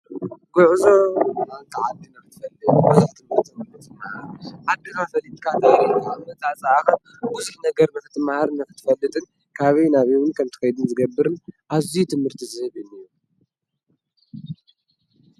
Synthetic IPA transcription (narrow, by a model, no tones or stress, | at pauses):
ɡ̥uʕzo̞nalt̪ʰaʕad̪ːinaft̪ʰɨ̥fɐlːɨbuzɨħt̪ʰɨmɨɾt̪ʰimɨxɨt̪ʰɨmahɾʕad̪ːikafɐlit̪ʼkʰat̪aanɐt̪ʰat͡sʼaaxɐn | buzuħnɐɡɐɾmɨxɨt̪ʰɨmahaɾɨnɐfɨt̪ʰɨ̥fɐlːɨt̪ʼɨn | kʰaβɐjnaβiwʊnkʰɐmt̪ʰɐkɐjd̪ɨnzɨɡɐbːɨɾɨnʔazijut̪ʰɨmhɨɾt̪ʰizɨhɨβɨniju